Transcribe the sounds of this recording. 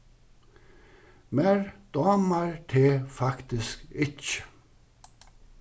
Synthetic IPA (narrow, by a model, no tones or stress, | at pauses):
meɹd̪̥ɑːmaɹt̪ʰeːfɑkt̪ɪskɪcə̥